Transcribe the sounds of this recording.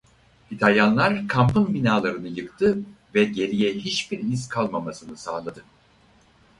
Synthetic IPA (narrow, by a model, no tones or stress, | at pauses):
it̪ʰalʲjanlˠaɾkʰampɯnbinaːlˠaɾɯnɯjɯkt̪ʰɯ | vɛɟe̞ɾijɛɦit͡ʃbiɾizkʰalˠmamasɯnɯsaːlˠad̪ɯ